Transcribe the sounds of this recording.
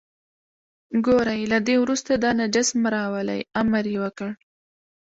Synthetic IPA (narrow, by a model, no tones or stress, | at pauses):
ɡoɾajlad̪ewɾust̪ad̪ɑnad͡ʒɪsmɾɑwəla̰jamaɾjewəkəɽ